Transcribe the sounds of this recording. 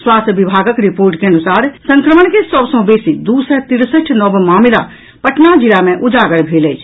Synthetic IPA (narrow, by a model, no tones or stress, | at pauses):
swaːsʋibʱaːɡəkɾipoːɾʈkeɐnʊsaːɾsə̃ŋkɾəməɳkesəbsõbeːsid̪uːsət̪iɾsəʈʰnəbmaːmɪla | pəʈʰnad͡ʒilamẽʔud͡ʒaːɡəɽbʱeːlət͡ʃʰ